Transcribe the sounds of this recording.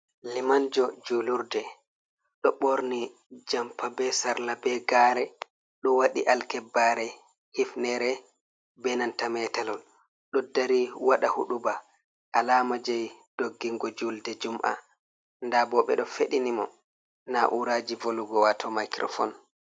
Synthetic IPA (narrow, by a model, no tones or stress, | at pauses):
limand͡ʒɔd͡ʒuluɾdɛ | ɗɔɓoɾni | d͡ʒampabɛsaɾlabɛɡaɾɛ | ɗɔwaɗiʔalkɛbːaɾɛ | hifnɛɾɛ | bɛnantamɛtalɔl | ɗɔdaɾiwaɗahuɗuba | ʔalaːmad͡ʒɛjd̥oɡːiŋɡɔd͡ʒuldɛd͡ʒumʔa̰ | ndabɔɓɛ̰ɗɔfeɗinimɔ | naʔuɾad͡ʒivoluɡɔwatʰɔmajkɾɔ̰fɔ̰n